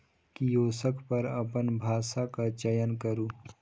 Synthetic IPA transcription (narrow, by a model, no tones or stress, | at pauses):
kijoːsəkʰpɐɾɐpənbʱaːsakat͡ʃɐjənkɐɾuː